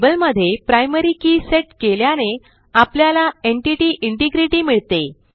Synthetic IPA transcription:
bəlməd̪ʱːjepɾajməɾiːkiːseʈkeljane | apljalaeɳʈiʈiːʔiɳʈiɡɾiʈiːmiɭt̪e

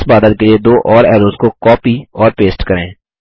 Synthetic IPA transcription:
sbaːd̪ət̪̚kelied̪oːʔɔːɾɛːɾoːskokɔːpiɔːɾpeːsʈkəɾẽː

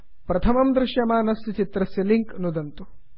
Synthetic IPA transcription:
pɾɐt̪ʰɐmɐmd̪ɾɪʃjɐmaːnɐsjɐt͡ʃit̪ɾɐsjɐliŋknud̪ɐnt̪u

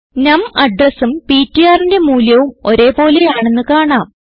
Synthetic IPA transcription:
nɐmɐɖrɐsumpitːijaːrinde̞muːljɐʋumo̞ɾe̞ːpo̞ːlejaːɳe̞nːɨkaːɳaːm

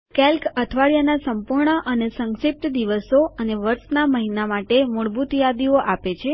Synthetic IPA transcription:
kɛlkət̪ʰʋaɭjanasəmpuɾɳəʔənesəŋʃip̚t̪d̪iʋəsoəneʋəɾʃnaməɦinamaʈemuɭbut̪jad̪ioʔapet͡ʃʰe

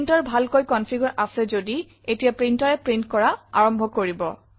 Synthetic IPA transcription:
ntɔɹbʱalkojkɔnpʰiɡɔɹʔasɛzodi | etijapɹintɔɹɛpɹintkɔɹaa̰ɹɔmbʱɔkoɹibɔ̰

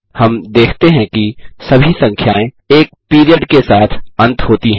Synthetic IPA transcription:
hɐmd̪eːkʰt̪eɦɛ̃kisɐbʱisɐ̃ŋkʰjaːẽ | eːk̚piːɾijəɖkesaːt̪ʰɐ̃nt̪ɦoːt̪iɦɛ̃

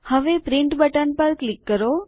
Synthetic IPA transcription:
həʋepɾɪɳʈbəʈənpəɾklikːəɾo

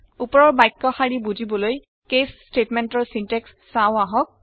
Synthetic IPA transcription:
upɔɹɔɹbajkːɔxaɹibuzibɔloj | kes | ʈetmɛntɔɹsintɛksːawaɦɔk̚

